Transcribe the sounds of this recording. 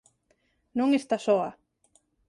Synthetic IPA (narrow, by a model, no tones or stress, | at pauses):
nuŋest̪asoa